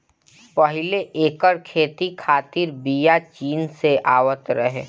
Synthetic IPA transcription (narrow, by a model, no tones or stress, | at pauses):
pəɦɪleʔeːkəɾkʰeːt̪ikʰaːt̪ɪɾbijat͡ʃiːnseʔaːwət̪ɾəɦe